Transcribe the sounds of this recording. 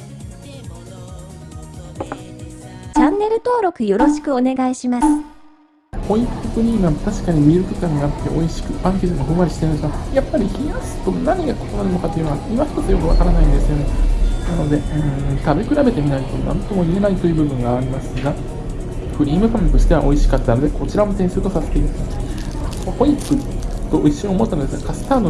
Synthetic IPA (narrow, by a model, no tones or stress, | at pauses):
t͡ɕãnːe̞ɾɯ̟t̪o̞ːɾo̞kɯ̟jo̞ɾo̞ɕi̥kɯ̟o̞ne̞ɡaiɕimasɨ̥ | hõ̞iktokɯ̟ɲ̟iːŋat̪aɕi̥kaɲ̟imʲieɾɯ̟t̪ok̪ʲaɲiat̪ːe̞ʔo̞iɕi̥kɯ̟pãŋk̬ʲeʑiŋoɦɯ̟maɾʲiɕi̥t̪e̞ɾɯ̃esɨɯajapːaɾʲiçijasɨ̥t̪o̞naɲ̟iɡako̞̥t̪onaɾɯ̟no̞kat̪oiɯ̟noaimaɸt̪ot̪ojo̞kɯ̟βakaɾanaĩnd̪e̞sɨjo̞nenano̞d̪e̞ɯɯ̃ɴt̪abe̞kɯ̟ɾabe̞t̪e̞mʲinait̪o̞nã̰nt̪o̞mo̞ie̞nait̪o̞jɯ̟ːbɯ̟bɯ̟̃ŋɡaːɾʲimasɨɡa | ɸɯ̟ɾʲiːmɯ̟pãŋkɯ̟ɕi̥t̪e̞βa̰ʔo̞iɕi̥kat̪ːano̞d̪e̞ko̞t͡ɕiɾamo̞sẽ̞ɰ̃sɨːt̪o̞sase̥t̪eiɾɯ̟t̪o | ho̞ikɯ̟t̪ːo̞ʔoiɕiomo̞t̪ːanod̪esɨɡakasɨ̥t̪aːd̪o